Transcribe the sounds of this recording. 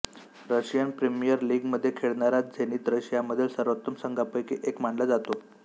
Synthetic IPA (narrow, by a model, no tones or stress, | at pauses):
ɾəɕjənpɾemijəɾliːɡməd̪ʱːjekʰeɭɳaɾat̪̚d͡zʱeñiːt̪ɾəɕjaməd̪ʱːjelsəɾʋət̪ːəmsəŋɡapəjkiʔekmaɳləd͡zat̪o